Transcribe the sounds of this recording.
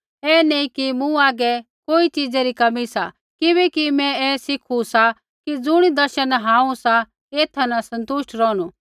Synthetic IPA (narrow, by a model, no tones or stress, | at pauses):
ɛːneĩkimũaːɡɛ | koːit͡ʃid͡zɛɾikɐmisa̰ | kɪβɛkimɛ̃ɛːsɪkʰusa | kid͡zʊɽ̃id̪ɐɾʃənɦãːũsa | eːt̪ʰanasɐ̃nt̪ʊʃʈɾɔːɽ̃u